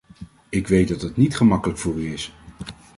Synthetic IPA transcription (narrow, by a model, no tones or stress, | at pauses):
ɪkʋejt̚dɑtɦətnitχəmɑkələkfʊːɹyɪs